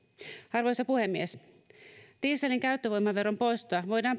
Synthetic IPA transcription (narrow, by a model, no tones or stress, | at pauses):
ɑrʋo̞jsɑpuhe̞mːies | t̪iːseliŋkæyt̪ːøʋojmɑʋe̞ro̞mpo̞jst̪oɑʋo̞jdɑːm